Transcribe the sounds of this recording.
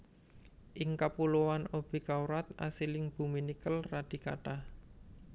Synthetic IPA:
ʔɪŋkapuluwanob̥i̤kauɾat̪̚a̰silɪŋb̥ṳminikəlrad̪̥i̤ka̰ʈah

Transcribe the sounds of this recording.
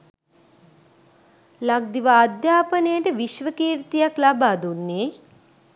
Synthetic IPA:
laɡ̚d̪iʋaːd̪jaːpənəjəʈəʋiʃʋəkiːɾt̪ijaklabaːd̪unːeː

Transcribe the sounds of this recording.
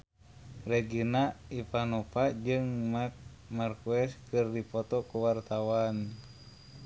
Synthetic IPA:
rɛɡinaipanɔpad͡ʒɨŋmak̚ | markuɛskɨrdipɔt̪ɔkuwart̪awan

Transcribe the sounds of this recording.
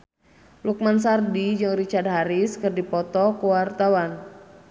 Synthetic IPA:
luk̚mans̬ardid͡ʒɨŋrit͡ʃard̚ɦaɾɪskɨrdipɔt̪ɔkuwart̪awan

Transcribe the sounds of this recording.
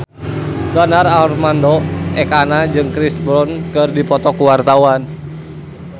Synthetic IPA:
danaralrmandɔʔɛkanad͡ʒɨŋkɾisbɾɔnkɨrdipɔt̪ɔkuwart̪awan

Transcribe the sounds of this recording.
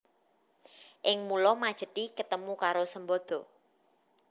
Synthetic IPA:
ʔɪŋmulɔmad̥ʒ̥ə̤t̪ikət̪əmukaɾosəmbɔd̪̥ɔ̤

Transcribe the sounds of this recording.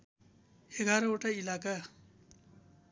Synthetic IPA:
eɡʱaɾʌoʈailaka

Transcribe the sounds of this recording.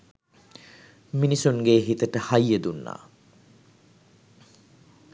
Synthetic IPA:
minisunɡeːɦit̪əʈəhajːəd̪unːa̰ː

